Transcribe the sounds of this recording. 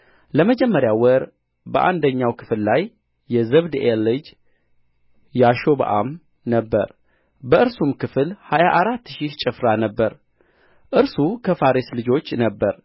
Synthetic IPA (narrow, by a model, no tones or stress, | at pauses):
ləməd͡ʒɛmːəɾjawəɾ | bəʔa̰nd̪əɲːawkʰɨ̥fllajː | ɛzəβd̪ʔelɨd͡ʒ | jaʃoβa̰ʔa̰m | nəbːə̰ɾ | bəɨɾsumkɨfɨlhajaʔaɾat̪ːʃit͡ʃʼɨfɾanəbːəɾ | ʔɨɾsukʰəfaɾislɨd͡ʒo̞t͡ʃːnəbːəɾ